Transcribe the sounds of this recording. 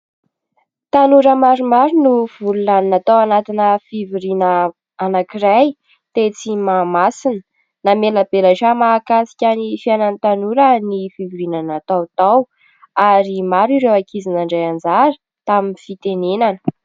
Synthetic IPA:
t̪anuɾəmaɾumaɾunuv̥ululaninat̪awanat̪inəfiviɾinəː | nakiraj | t̪et͡simamasinə̥ | namelabelaʈ͡ʂamakasi̥kʲanifianant̪anuɾənifiviɾinanat̪awt̪aw | aɾimaɾiɾewakʰizinaɳɖ͡ʐajand͡zaɾə̥ | t̪aminifit̪enenanə̥

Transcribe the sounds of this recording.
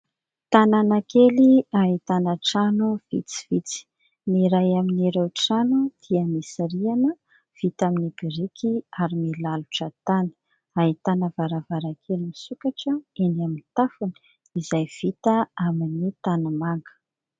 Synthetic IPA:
t̪ananakeliaɦit̪anəʈ͡ʂanuv̥ḭt͡si̥v̥it͡si̥ | niɾajaminiɾewʈ͡ʂanud̪̥iəmisaɾianə | v̥it̪aminibiɾikʰiaɾimilaluʈ͡ʂət̪ani̥ | ait̪anəvaɾavaɾakʰelimisukaʈ͡ʂəenaminit̪afunə̥ | izajv̥it̪əaminit̪anamaŋɡə̥

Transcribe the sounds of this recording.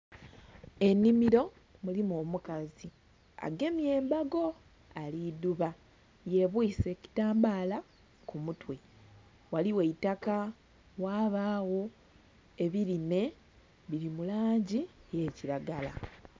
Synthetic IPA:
e̞nːimiɾo̞ | mulimoːmukazi | a̰ɡe̞mje̞ːmbaɡo̞ | aliduβa | je̞βwise̞ci̥taːmbaːla | kumutwe̞ | waliwe̞itaka | waːβaːwo̞ | e̞βiɾime̞ | βiɾimulaːɲɟije̞ːciɾaɡala̰

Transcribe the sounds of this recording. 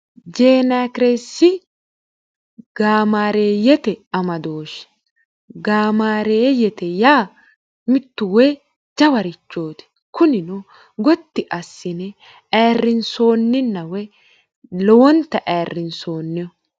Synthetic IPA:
d͡ʒeːnakɾesɪ | ɡaːmaːɾeːjɛt̪ɛɐmɐd̪oːʃɛ̥ | ɡaːmaːɾeːjɛt̪ɛjaː | mɪt̪ːʊwɛ | d͡ʒɐwɐɾɪt͡ʃːo̞ːt̪ɛ̥ | kʊnɪnʊ | ɡɔt̪ːɪʔɐsːɪnɛ | ʔɛːrːɪnso̞ːnːɪnːɐwɛ | lɔwɔnt̪ːɐʔɛːrːɪnsoːnːɛjɔ

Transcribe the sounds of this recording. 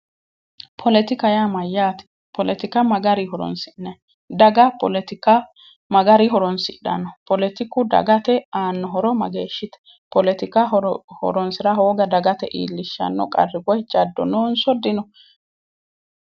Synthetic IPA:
pʰɔlɛt̪ɪkɐjamɐjːaːt̪ɪ̥ | pɔlɛt̪ɪkɐmɐɡɐɾɪɦɔɾɔ̰nsɪnːɛ | d̪ɐɡɐpɔ̰lɛt̪ɪkɐ | mɐɡɐɾɪɦɔɾɔnsɪɗɐ̰nːɔpɔlɛt̪ɪkːʊd̪ɐ̰ɡɐt̪ɛaːnːɔɦɔɾɔmɐ̰ɡeːʃːɪt̪ɛ̥ | pɔlɛt̪ɪkɐhɔ̰ɾɔnsɪɾɐɦoːɡɐd̪ɐɡɐt̪ɛʔḭːlːɪʃːɐ̰nːɔ̰kʼɐ̰rːɪɡɔjt͡ʃʼɐd̪ːɔ̰noːnsɔd̪ɪnɔ

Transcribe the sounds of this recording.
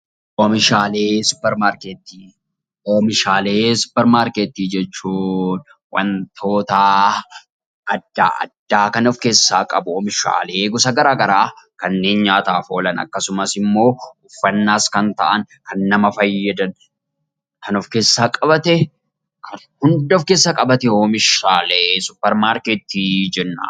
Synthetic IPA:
ʔɔmɪʃaːle̞ːsʊ̥pɛɾmaːɾket̪ːiː | omɪʃaːle̞ːsʊ̥pːɛɾmaːɾket̪ːiːd͡ʒɛt͡ʃːuːn | wɐ̰nt̪ʰo̞ːt̪ɐ | ʔɐd̪ːaːɐ̰d̪ːaːkɐnɔfke̞ːsːaːkʼɐbʊɔmɪʃa̰ːle̞ːɡʊsɐɡɐɾaːɡɐɾaːkɐnːe̞ːnɲaːt̪aːfo̞ːlɐnɐ̰kːɐsʊmɐsɪmːo̞ːʊfːɐnːaːskɐnt̪ɐ̰ʔɐŋ | kɐnːɐmɐfɐjːɐd̪ɐn | kɐnɔfke̞ːsːaːkʼɐbɐt̪ɛ | kʰɐ | hʊnd̪ɔfke̞ːsːɐkʼɐbɐt̪ɛoːmɪʃaːlesʊpːɛɾmaːɾkeːt̪ːiːd͡ʒɛnːa̰ː

